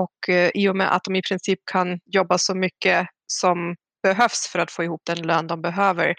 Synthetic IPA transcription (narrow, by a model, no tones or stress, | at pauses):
ɔkʰʔɪːʊmɛ̰ʔa̰t̪̚d̪ɔmɪpʰɾɪnsiːp̚kʰanjɔbːasɔmʏkːə | sɔm | b̥ɛɦœfsfœɾat̪foːɪhuːp̚d̪ɛnløːnd̪ɔmbɛɦøːvə̰ɾ